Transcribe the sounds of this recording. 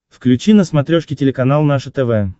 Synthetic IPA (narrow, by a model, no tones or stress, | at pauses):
fklʲʉt͡ɕinəsmɐt̪ɾʲoʂkʲɪtʲɪlʲɪkɐnalˠnaʂət̪ɛvɛ